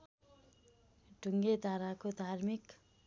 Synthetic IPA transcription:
ɖʱuŋɡed̪ʱaɾakod̪ʱarmik

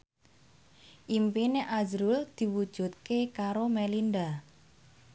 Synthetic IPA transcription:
ʔimpineʔazɾuld̪̥i̤wud̥ʒ̥ṳt̪̚kekaɾomelinda

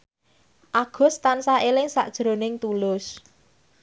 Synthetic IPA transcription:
ʔaɡ̥ʊ̤st̪ansaelɪŋsa̰ʔd̥ʒ̥ɾo̤nɪŋt̪ulʊs

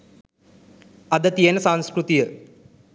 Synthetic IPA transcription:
ɐd̪ət̪ijenəsaŋ̃skɾut̪ijə

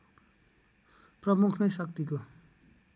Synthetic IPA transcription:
prʌmukʰnʌjsʌkt̪iko

